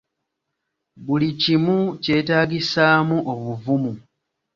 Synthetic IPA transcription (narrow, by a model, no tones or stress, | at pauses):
bulicimuce̞ːtaːɡisaːmuʔoβuvumu